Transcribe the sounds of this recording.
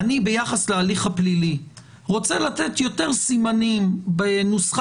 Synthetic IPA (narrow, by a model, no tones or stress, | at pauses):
nibejaχaslealiχhaplili | ʁo̞t͡selat̪et̪jo̞teʁsimanimbenusχ